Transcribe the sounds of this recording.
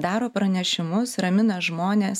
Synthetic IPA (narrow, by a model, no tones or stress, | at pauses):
d̪ɑːɾoːpɾɐnʲɛʃʲɪmʊsɾɐmʲɪnɐʒmoːnʲeːs